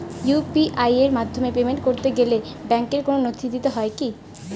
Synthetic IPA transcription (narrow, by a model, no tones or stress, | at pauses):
jupiʔajeɾmad̪ʱːomepemeɳʈkoɾt̪eɡelebɛŋkeɾkononot̪ʰid̪it̪eɦɔeki